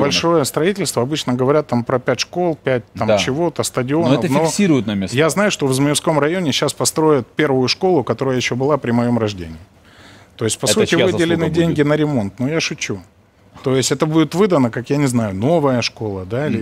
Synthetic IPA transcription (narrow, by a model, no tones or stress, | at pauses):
bbɐlʲʂo̞jəst̪ɾɐitʲɪlʲst̪vəɐbɨt͡ɕnəɡəvɐɾʲat̪ːampɾɐpʲætʲʂko̞lˠpʲæt̚ʲt̪amt͡ɕɪvo̞t̪əst̪ədʲɪo̞nɛət̪əfnfoksʲiɾʊjʊt̪nɐmʲesjaznajʊʂt̪o̞vzməjɪfsko̞mrɐjo̞nʲɪɕaspɐst̪ɾo̞jɪt̪̚pʲe̞rvʊjʊʂko̞lˠʊkɐt̪o̞ɾəjəjɪɕːobɨlˠapɾʲɪmɐjo̞mrɐʐdʲḛnʲɪɪ | t̪o̞ɪsʲt̚ʲpɐsutʲɪɨdʲɪlʲɪnɨdʲenʲɡʲɪnəɾʲɪmo̞nt̪nojaʂʊt͡ɕːu | t̪o̞jɪsʲtʲɛt̪əbudʲɪt̪vɨd̪ənəkakjanʲɪznajʊno̞vəjəʂko̞lˠəd̪ailʲɪ